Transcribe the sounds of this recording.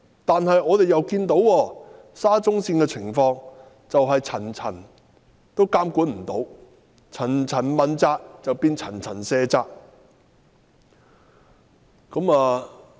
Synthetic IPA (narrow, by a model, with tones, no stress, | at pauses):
t̪aː˨nhɐ˨jʔɔː˨˧t̪e˨jɐ˨wkiː˧nt̪o˨˥wɔː˧ | saː˥t͡sʊ˥ŋsiː˧nkɛː˧t͡sʰɪ˨˩ŋfɔː˧ŋ | t͡sɐ˨wɦɐ˨jt͡sʰɐ˨˩nt͡sʰɐ˨˩n | t̪o˥wkaː˥mkuː˨˥nm̩˨˩t̪o˨˥w | t͡sʰɐ˨˩nt͡sʰɐ˨˩nmɐ˨nt͡saː˧k̚t͡sɐ˨wpiː˧nt͡sʰɐ˨˩nt͡sʰɐ˨˩nsɛː˧t͡saː˧k̚ | kɐ˨˧˥maː˧